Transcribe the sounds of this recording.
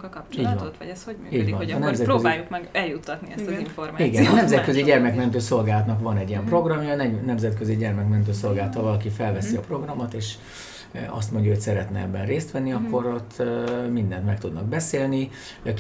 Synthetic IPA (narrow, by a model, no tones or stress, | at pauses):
t͡ʃt͡ʃiːɟvɒnsiːɟvɒnɒnɛmzɛt̪ɾkːøziaːjukmɛɡɛljut̪ːɒt̪niɛst̪iɱformiɡɛnɒnɛmzɛt̪køziɟɛrmɛkmɛnt̪̬øːso̞lɡaːlɒt̪nɒkʋɒnɛɟːijɛmpro̞ɡrɒmjɒːnɛnɛmzɛt̪køziɟɛrmɛkmɛnt̪̬øːso̞lɡaːlɒt̪ɒvɒlɒkifɛlvɛsiɒpro̞ɡrɒmot̪eːʃ | ɒ̰st̪mo̞ɲɟɒɦo̞csɛɾɛt̪nɛɛbːɛnreːst̪ʋɛnːiɒkːo̞ɾo̞t̪ʰːmind̪ɛnt̪mɛk̚t̪ud̪nɒɡ̚bɛseːlni | ɒk